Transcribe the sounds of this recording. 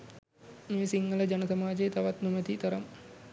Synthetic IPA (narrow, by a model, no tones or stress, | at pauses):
meːsiŋɡələd͡ʒanəsamaːd͡ʒejt̪aʋat̪numət̪it̪əɾam